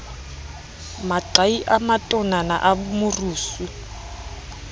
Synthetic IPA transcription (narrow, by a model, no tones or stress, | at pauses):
maǀaiʔamatʼɔnana̰ʔamʊruːsu